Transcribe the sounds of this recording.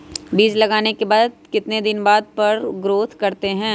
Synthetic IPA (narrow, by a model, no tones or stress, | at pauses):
biːd͡ʒlɐɡaːnekebaːd̪̚kɪt̪ned̪ɪnbaːd̪̚pɐɾɡɾoːt̪ʰkɐɾt̪eɦɛ̃ː